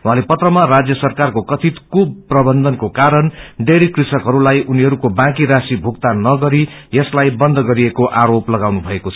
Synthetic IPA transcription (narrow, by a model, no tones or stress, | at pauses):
w̃ɦãlepʌt̪rʌmarad͡zjʌsʌrkarkokʌt̪ʰit̪kub̚prʌbʌnd̪ʱʌnkokaɾʌnɖeɽikrisʌkɦʌɾulajʔuniɦʌɾukobãkiɾasibʱukt̪anʌɡʌɾi | jʌslajbʌnd̪ʱʌɡʌɾiekoʔaɾoplʌɡawnubʱʌekot͡sʰʌ̥